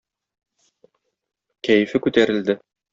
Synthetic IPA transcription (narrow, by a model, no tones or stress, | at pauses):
kæjɘ̆fɘkʉt̪æɾɘ̆ld̪ɘ